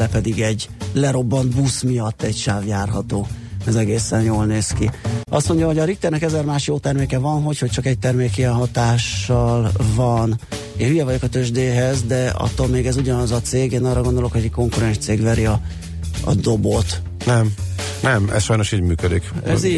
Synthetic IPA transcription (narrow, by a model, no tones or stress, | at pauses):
lɛpɛd̪iɡɛɟlɛɾo̞bːɒnd̪busmijɒt̪ːɛɟʃaːvjaːrɦɒt̪oːɛzɛɡeːsɛnjoːlneːskiɒst̪mo̞ɲɟɒɦo̞ɟɒɾik̚t̪ɛrnɛkɛzɛrmaːʃjoːt̪ɛrmeːkɛvɒnɦo̞cho̞c̚t͡ʃɒkɛc̚t̪ɛrmeːkijɛnɦɒt̪aːʃːɒlvɒn | eːnyjɛvɒɟo̞kɒt̪øʒd̪eːɦɛzd̪ɛɒ̰t̪ːolmeːɡɛzuɟɒnɒzɒt̪seːɡeːnɒrːɒɡo̞nd̪o̞lo̞kho̞ɟɛko̞ŋkuɾɛnʃt̪seːɡvɛɾiɒ | ɒ̰d̪o̞bot̪ | nɛm | nɛmɛ̰sʃɒjno̞ʃiːɟmyːkød̪ikɛ̰zi